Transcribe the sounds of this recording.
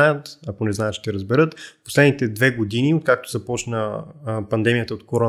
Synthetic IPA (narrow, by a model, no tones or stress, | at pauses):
ajət̪ɐkonɛznajət̪t͡ʃʃt̪ɛɾəzbɛɾɤt̪po̥slɛd̪nit̪ɛd̪vɛɡod̪iniot̪̚kak̚t̪o̥zɐpɔt͡ʃnəpɐnd̪ɛmijət̪əot̪̚koɾɔ